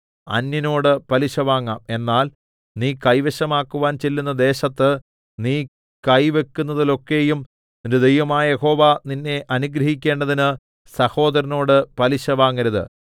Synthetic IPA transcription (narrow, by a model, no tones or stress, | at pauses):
ɐ̰nːjino̞ːɽɨpɐliɕɐʋaːŋːaːme̞nːaːl | niːkɐjʋeɕɐmaːkːuʋaːnt͡ɕe̞lːunːɐd̪e̞ːɕɐt̪ːɨ | niː | kɐjʋe̞kːunːɐðilo̞kːe̞jum | ninded̪ejʋɐmaːjɐjeho̞ːʋaninːe̞ʔɐnuɡɾɐhik̬ʲːe̞ːɳɖɐðinɨ | sɐho̞ːd̪ɐɾɐno̞ːɽɨpɐliɕɐʋaːŋːɐɾɐðɨ̰